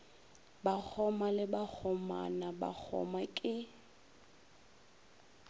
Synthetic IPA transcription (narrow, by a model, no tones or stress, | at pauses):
bak͡xʰɔmalɪbak͡xʰɔma̰naba̰k͡xʰɔ̰makʼɪ